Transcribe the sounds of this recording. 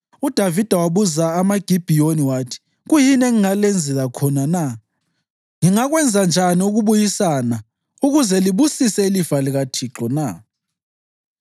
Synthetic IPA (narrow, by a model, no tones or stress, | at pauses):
ud̥ʱavid̥ʱawaβuzaːmaɡ̥ʱib̥ʱijoniwaːtʰi̥ | ɣujinɛŋiŋalend͡zʱɛlakʰɔnana | ŋiŋaɣwɛnd͡zʱand͡ʒʱaniuɣuβujisana | uɣuzɛliβusisɛilivaliɣatʰiǁɔna